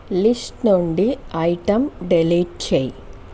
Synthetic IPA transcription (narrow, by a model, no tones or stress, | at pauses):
lisʈnuɳɖiɐjʈɐmɖelɐjʈ̚t͡ɕej